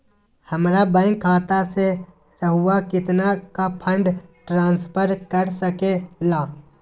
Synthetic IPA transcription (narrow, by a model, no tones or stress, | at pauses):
həmɾabə̃kʰaːt̪ase | ɾəɦuakɪt̪nakapʰə̃ɳɖʈɾãːnspʰəɾkəɾsəkelaː